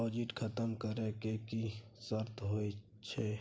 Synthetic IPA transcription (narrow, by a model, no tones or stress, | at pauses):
ɔːd͡ʒɪʈkʰət̪əmkəɾẽkekisəɾt̪ʰɦoːe | t͡ʃʰe